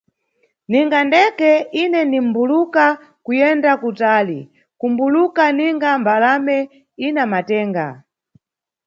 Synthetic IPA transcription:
niŋɡandɛkɛinɛndim̩buluka | kujɛndakutaːli | kumbulukaniŋɡambalamɛ | inamatɛːŋɡa̰

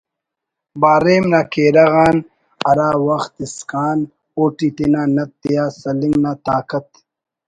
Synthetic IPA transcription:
baːɾeːmnaːkeːɾɐɣaːn | ɐɾaːwɐxt̪iskaːn | oːʈit̪enaːnɐt̪ːijaːsɐliŋɡnaːt̪aːkɐt̪

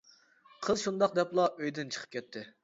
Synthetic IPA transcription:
qʰəzˠʃund̪ɑq̚d̪ɛplˠɑʔøjd̪ɪnt͡ʃʰə̥qʰə̥pkʲɛt̪ʰːɪ

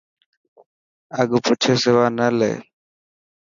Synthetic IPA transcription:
əɡpʊt͡ʃʰeːsɪʋaːnəlḛː

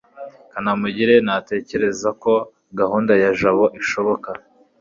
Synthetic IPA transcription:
kanamuɟiɾe̞nate̞ce̞ɾe̞zako̞ | ɡahuːndajaʒaβo̞ʔiʃo̞βo̞ka

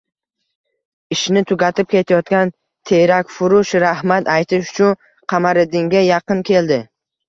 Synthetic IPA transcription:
ɪʃnɪt̪ʰʊɡʲat̪ʰɪp̚kʲe̞t̪ʰajɒt̪kʲan | t̪ʰe̞ɾakʲfʊɾʊʃɾahmat̪ʰajt̪ʰɪʃʊ̥t͡ʃʰʊn | qʰɑmaɾɪd̪ɪŋɡʲajɑqɨnkʲʰe̞ld̪ɪ

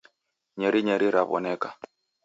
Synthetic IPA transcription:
ɲɛɾiɲɛɾiɾaβɔ̰nɛka

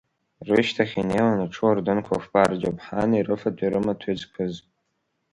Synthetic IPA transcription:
rɨʃtʰaχʲinejwanaʈ͡ʂʰɨardɨnkʷʰafbard͡ʒopʰħanirɨfadʰiɾɨmatʷʰed͡zkʰɨz

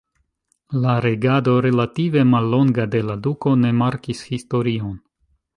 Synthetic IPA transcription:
laɾe̞ɡado̞ɾe̞lative̞malːo̞ŋɡade̞laduko̞ne̞maɾkishisto̞ɾio̞n

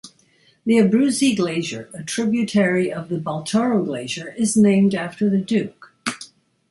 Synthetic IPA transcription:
ðiɨbɹʉziɡleɪʒə˞ɨtʰɹ̥ɪbjɨtʰɛɹiʔʌvðɨbɔlˠtʰɔɹoʊɡleɪʒə˞ɪznẽɪ̃mdæftə˞ðɨdʉk

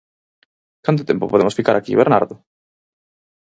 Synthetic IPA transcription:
kant̪oʊt̪ẽmpʊpoðemʊsfikaɾakḭβeɾna̰ɾðʊ

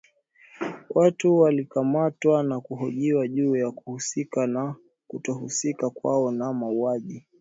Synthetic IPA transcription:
wʔatuwalikamatwanakuɦɔʄiwaʄuːjakuhusikana | kutɔhusikakwa̰ɔnamauaʄi

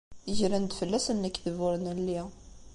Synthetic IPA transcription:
əʒɾænd̪fəlːæsənːækːθəvʊɾnəlːi

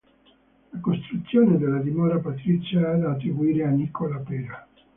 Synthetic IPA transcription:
lakost̪ɾut̪sːjoːned̪elːad̪imɔːɾapat̪ɾit͡ʃːaad̪aːt̪ːɾibuiːɾeanːikolapeɾa

